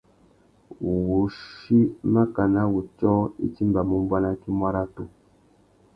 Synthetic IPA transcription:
wu˨ʃi˦ma˦ka˨na˦wu˨t͡ʃɔ˦ḭ˦t͡ʃi˦mba˨mu˦m˦bwa˦na˦ki˦mwa˦ɾa˦tu˦

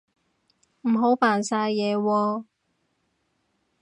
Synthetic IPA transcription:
m̩˨˩ɦo˨˥wpaː˨˩nsaː˧jjɛː˨˧wɔː˧

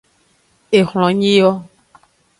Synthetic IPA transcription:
e˨xl̃ɔ̃˨ɲĩ˦jɔ˦

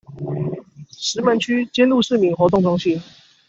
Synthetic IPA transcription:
ʂɻ̩˧˥mə˧˥nt͡ɕʰy˥t͡ɕjɛ˥nlu˥˧ʂɻ̩˥˩mi˨˩nxwɔ˧˥t̪̬ʊ˥˩ŋʈ͡ʂʊ˥ŋɕi˥˦n

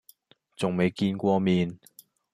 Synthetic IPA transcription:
t͡sʊ˨ŋme˨˧jkiː˧nkʷɔː˧miː˨n

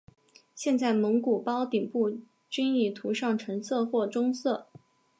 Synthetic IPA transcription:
ɕjɛ˥˧nt͡sa˥˩ɪmɤ˧˥ŋku˨˩pɑ˥ʊt̪i˨˩ŋpu˥˩ | t͡ɕi˥ni˥˩t̪ʰu˧˥ʂɑ˥˩ŋʈ͡ʂʰɤ˧˥ŋsʰɤ˥˧xwɔ˥˩ʈ͡ʂʊ˥ŋsɤ˥˩

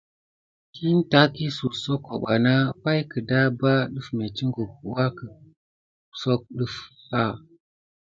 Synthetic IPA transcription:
ki˦n˦ta˦ki˦su˨so˦kːo̰˨ɓa˨na˦pa˦jkə˨da˦ba˦ɗɨ˦fme˨t͡ʃi˦ŋɡu˨p̚wa˦kə˨ | so˦k̚ɗə˦f | ha˦˨

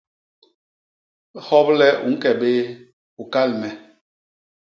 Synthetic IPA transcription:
hɔ˦p̚lɛ˦ṵ˨ŋ̩˦kɛ˨ɓe˦ | u˨ka˦˨lmɛ˨

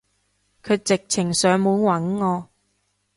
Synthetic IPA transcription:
kʰɵ˨˧t͡sɪ˨k̚t͡sʰɪ˨˩ŋsœː˨˧ŋmuː˨˧˥nwɐ˨˥nŋɔː˨˧

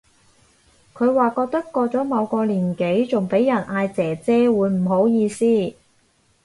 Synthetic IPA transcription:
kʰɵ˨˧ɥwaː˨˩kɔː˧k̚t̪ɐ˥kːɔː˧t͡sɔː˨˥mɐ˨˧wkɔː˧liː˨˩nke˨˥jt͡sʊ˨˩ŋpe˨˥jɐ˨˩nʔaː˧jt͡sɛː˨˩t͡sɛː˥wuː˨˧jm̩˨˩ɦo˨˥wjiː˧siː˥

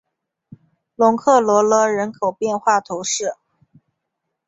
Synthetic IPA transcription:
lʊ˧˥ŋkʰɤ˥˩lwɔ˧˥lɤ˧˥ɻə˧˥nkʰo˨˩ʊpjɛ˥˧nxwa˥˩t̪ʰo˧˥ʊʂɻ̩˥˩

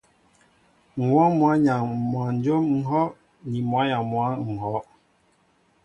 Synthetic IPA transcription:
ŋ̩˨wɔ˦mwa˨˦ɲa˨ŋmwa˨n˦d͡ʒo˦mŋ̩˦ɦɔ˦ | ni˨mwa˨˦ɲa˨mwa˨˦ŋ̩˨ɦɔ˨˦

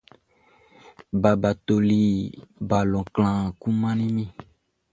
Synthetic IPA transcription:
ba˨ba˨t̪o˨li˨ba˨lɔ̃˨klã˨ku˦mã˦nĩ˦mĩ˦

